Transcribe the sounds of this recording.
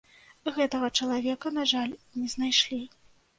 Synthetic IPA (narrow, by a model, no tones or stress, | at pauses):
ɣɛt̪ɐɣɐt͡ʂɐlˠavʲɛkɐnaʐalʲnʲɛznajʂlʲi